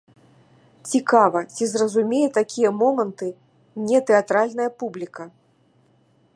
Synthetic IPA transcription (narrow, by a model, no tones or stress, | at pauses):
t͡sʲikavɐt͡sʲizrɐzumʲejɛt̪akʲʰijɐmɔmɐnt̪ɨ | nʲɛt̪ɛat̪ɾalʲnɐjɐpublʲikɐ